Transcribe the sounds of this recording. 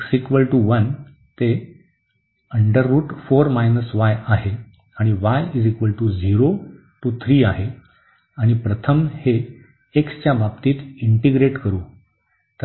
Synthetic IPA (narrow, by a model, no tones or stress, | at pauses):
ksikʋəlʈuʋən | t̪e | əɳɖəɾːuːʈfoɾmajnəsʋajaɦe | aɽ̃iʋajid͡zikʋəlʈud͡ziɾo | ʈut̪ʰɾiːaɦe | aɽ̃ipɾət̪ʰəmheː | kst͡ɕjababt̪iːt̪iɳʈeɡɾeʈkəɾuː | t̪